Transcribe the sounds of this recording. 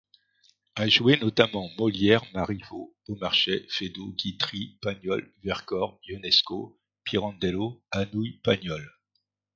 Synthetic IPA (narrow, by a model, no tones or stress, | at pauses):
aʒwenɔt̪amɑ̃mɔljɛʁmaʁivo | omaʁʃefed̪oɡʲit̪χipaɲjɔlvɛʁkɔʁjunɛsko | piʁɑ̃d̪eloanujpaɲɔl